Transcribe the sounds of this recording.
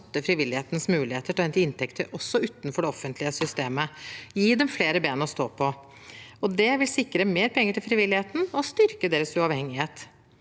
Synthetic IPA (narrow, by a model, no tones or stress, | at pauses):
t̪ːəfɾɪʋɪlːɪheːt̪nsmʉːlɪheːt̪əʈʰɑɛnt̪ɪnt̪ʰɛkt̪ʰəɾʔɔsːɔʉːt̪n̩fɔɖɛɔfːənt̪ʰlɪəsʏst̪eːməjiːd̪ɛmfleːɾəbeːnɔst̪oːpʰɔ | ɔd̪ɛʋɪlsɪkːɾəmeːɾpʰɛŋːəʈʰɪlfɾɪʋɪlːɪheːt̪n̩ɔst̪ʏɾkəd̪eːɾəsʉɑʋhɛŋɪheːt̪